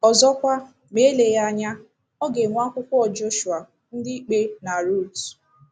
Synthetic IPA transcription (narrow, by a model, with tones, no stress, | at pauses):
ɔ˨zɔ˦kʷa˦ | me˨˦le˨ja˦a˨ɲa˦ | ɔ˦ɡe˨ŋʷa˦kʷʊ˦kʷɔ˦ɔ˨d͡ʒo˦ʃu˨a˨ | n̩˦dɪ˦i˦k͡pe˦na˨ɾu˦˨t